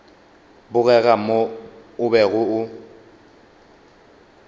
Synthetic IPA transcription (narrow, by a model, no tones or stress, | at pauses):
bʊɣɛɣamoʊbɛɣʊʊ